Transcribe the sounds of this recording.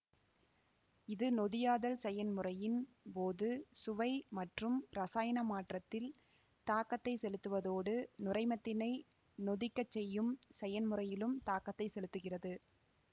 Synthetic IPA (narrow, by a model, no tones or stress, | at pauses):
ɪðɯnɔðɪjaːðɐlsɛjɐnmɯrɐjɪn | poːðɯsʊʋɐɪmɐʈrɯmɾɐsaːjɐnɐmaːʈrɐt̪ːɪl | t̪aːkɐt̪ːɐɪsɛlɯt̪ːɯʋɐðoːɽɯnʊrɐɪmɐt̪ːɪnɐɪ | nɔðɪkːɐt͡ʃːɛjːɯmsɛjɐnmɯrɐjɪlɯmt̪aːkɐt̪ːɐɪsɛlɯt̪ːɯɣɪrɐðɯ